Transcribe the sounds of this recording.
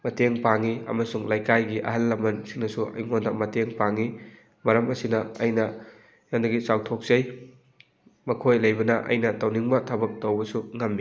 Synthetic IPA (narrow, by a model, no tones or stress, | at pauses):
mɐteŋpaŋiɐ̰mɐsuŋlajkajɡiʔɐ̰ɦɐlːɐmɐnsiŋnɐsuɐ̰jŋondɐmɐteŋpaŋi | mɐɾɐmɐsinɐɐjnɐ | jaŋdɐɡisawtʰok̚zɐj | mɐkʰojlɐjbɐnɐʔɐ̰jnɐtɐwniŋbɐtʰɐbɐk̚tɐwbɐsuŋɐmːi